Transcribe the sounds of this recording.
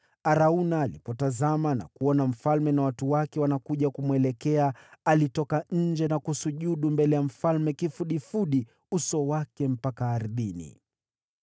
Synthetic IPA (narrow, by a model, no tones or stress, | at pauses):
aɾaunaːlḭpɔtazamana̰kuɔnam̩falmɛnawatuwakɛwanakuʄakumwɛlɛkɛaalitɔkaɲ̩d͡ʒɛnakusuʄuɗumbɛlɛjam̩falmɛkifuɗifuɗi | usɔwakɛm̩pakaːɾðinḭ